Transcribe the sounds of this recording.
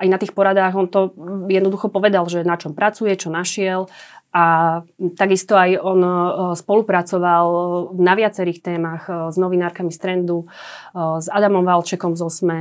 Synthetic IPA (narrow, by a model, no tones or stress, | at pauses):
ajnat̪iːxpɔɾad̪aɣɔnt̪ɔjɛd̪nɔd̪uxɔpɔʋɛd̪alʒɛnat͡ʃɔmpɾat͡sujɛt͡ʃɔnaʃɪɛlʔat̪aɡist̪ɔajɔnspɔlupɾat͡sɔʋalnaʋɪat͡sɛɾiːxt̪ɛːmaɣznɔʋinaːɾkamist̪ɾɛnd̪u | zad̪amɔmʋalt͡ʃɛkɔmzɔsmɛ